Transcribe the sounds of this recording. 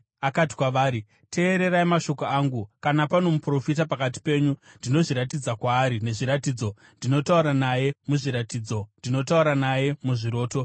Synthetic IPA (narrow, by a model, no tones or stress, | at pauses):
akati̥kwaʋaːɾi | tʰe̞ːɾe̞ɾaimaʃo̞koaːŋɡukanapano̞mupro̞fit̬apakat̬i̥pe̞ːɲu | ndino̞ʐiɾatid͡zakwaːɾine̞ʐiɾatiːd͡zo̞ | ndino̞tauɾanaje̞muʐiɾatiːd͡zo̞ndino̞tauɾanaje̞muʐiɾo̞ːto̞